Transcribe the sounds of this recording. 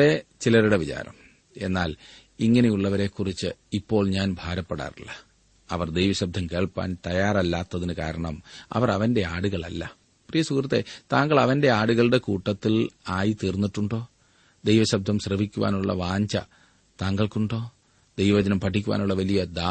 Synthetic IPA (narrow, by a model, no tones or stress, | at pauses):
et͡ɕilɐɾuɽeʋit͡ɕa̰ːɾɐm | e̞nːaːl | iŋːɐne̞juɭːɐʋɐɾe̞ːkːurit͡ɕːɨipːo̞ːɭɲaːnbʱaːɾɐpːeɽa̰ːrilːɐ | ɐ̰ʋɐrd̪ejʋɐɕɐb̚d̪ʱɐmke̞ːɭpːa̰ːnt̪ɐjaːrɐlːaːt̪ːɐðinɨka̰ːɾɐɳɐmɐ̰ʋɐrɐʋɐnde̞aːɽuɣɐɭɐ̰lːɐ | prijɐsukrɐt̪ːe̞̰t̪aːŋɡɐɭɐʋɐnde̞aːɽuɣɐɭɽe̞kuːʈːɐt̪ːilaːjit̪iːrnːiʈːuɳɖo̞ː | d̪ejʋɐɕɐb̚d̪ʱɐmɕrɐʋikʲːuʋa̰ːnuɭːɐ̰ʋaːɲd͡ʑɐ̰ | t̪aːŋɡɐɭkuɳɖo̞ː | d̪ejʋɐʋɐd͡ʑɐnɐmpɐʈʰːikʲːuʋa̰ːnuɭːɐʋɐlijɐd̪aː